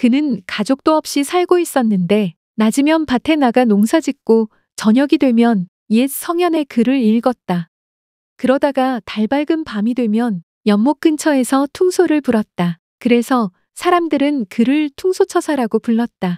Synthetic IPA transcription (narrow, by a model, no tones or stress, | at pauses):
kɯnɯnkad͡ʑok̚t͈oʌp̚ɕ͈isʰaɭɡois͈ʌnːɯnde̞ | nad͡ʑimjʌnpatʰe̞naɡanoŋsʰad͡ʑik̚k͈o | t͡ɕʌɲʌɡidwe̞mjʌn | ies͈ʰʌŋjʌne̞kɯɾɯɾiɭɡʌt̚t͈a | kɯɾʌdaɡataɭbaɭɡɯnpamidwe̞mjʌn | jʌnmok͈̚ʰɯnt͡ɕʰʌe̞sʰʌtʰuŋsʰoɾɯɭpuɾʌt̚t͈a | kɯɾe̞sʰʌ | sʰaɾamdɯɾɯnkɯɾɯɭtʰuŋsʰot͡ɕʰʌsʰaɾaɡopuɭːʌt̚t͈a